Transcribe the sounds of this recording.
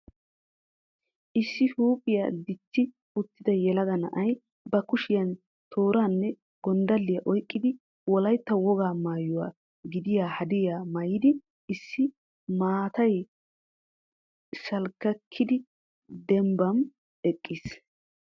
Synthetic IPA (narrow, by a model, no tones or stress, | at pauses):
ʔɪsːɪhuːpʼɪja̰d̪ɪt̪ːɪ | ʊt̪ːɪd̪ɐjɛlɐd̪ɐnɐ̰ʔɐj | bɐkʊʃɪjɐn | t̪ʰoːɾaːnːɛ | ɡ̥ɔnd̪ɐlːɪjɐʔɔjkʼːɪd̪ɪ | wɔlɐjt̪ːɐwɔɡaːmaːjʊwa̰ː | ɡɪd̪ɪjaːhɐd̪ɪjaːmɐjɪd̪ɪ | ɪsːɪ | maːt̪ɐj | sɐlkːɐkʰːɪd̪ɪ | d̪ɛmbɐm | ɛkʼːiːs